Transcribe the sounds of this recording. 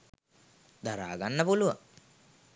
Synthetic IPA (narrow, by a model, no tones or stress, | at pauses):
d̪aɾa̰ːɡanːəpuluʋə̰ŋ